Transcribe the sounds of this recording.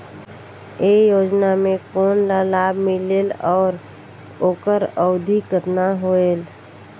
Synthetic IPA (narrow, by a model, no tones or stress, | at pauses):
ejoːd͡ʒnamẽkoːnlalaːbʱmɪleːlɔːɾ | oːkəɾəʊd̪ʱikət̪naɦoel